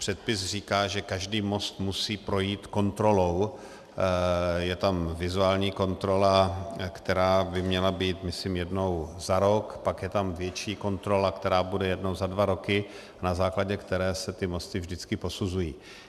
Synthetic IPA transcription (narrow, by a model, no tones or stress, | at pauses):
pr̥ɛt̪̚pɪsr̝iːkaːʒɛkaʒdiːmo̞st̪musiːpɾo̞jiːt̪ko̞nt̪ɾo̞lo̞w | jɛt̪amvɪzuaːlɲiːko̞nt̪ɾo̞lakt̪ɛɾaːbɪmɲɛlabiːt̪mɪsɪmjɛdno̞wzaɾo̞kpakjɛt̪amvjɛt͡ʃiːko̞nt̪ɾo̞lakt̪ɛɾaːbudɛjɛdnowzadvaɾo̞kɪ | nazaːklaɟɛkt̪ɛɾɛːsɛt̪ɪmo̞st̪ɪvʒdɪt͡skɪpo̞suzujḭː